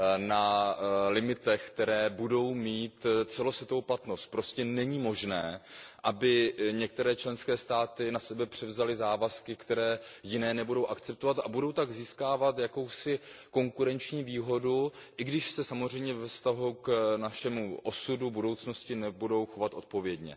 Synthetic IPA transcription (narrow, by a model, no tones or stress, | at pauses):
nalɪmɪt̪ɛxkt̪ɛɾɛːbudo̞wmiːt̪t͡sɛlo̞svjɛt̪ovowplat̪no̞st̪̚pɾo̞scɛnɛɲiːmo̞ʒnɛːʔabɪɲɛk̚t̪ɛɾɛːt͡ʃlɛnskɛːst̪aːt̪ɪnasɛbɛpr̝̥ɛvzalɪzaːvaskɪkt̪ɛɾɛːjɪnɛːnɛbudo̞wʔakt͡sɛp̚t̪ovat̪ʔabudo̞wt̪aɡziːskaːvat̪jako̞wsɪko̞ŋkuɾɛnt͡ʃɲiːviːɦo̞duʔɪɡdɪʃsɛsamozr̝ɛjmɲɛvɛfst̪aɦuknaʃɛmuʔo̞sudubudo̞wt͡sno̞scɪnɛbudo̞wxo̞vat̪ʔo̞t̪̚po̞vjɛdɲɛ̰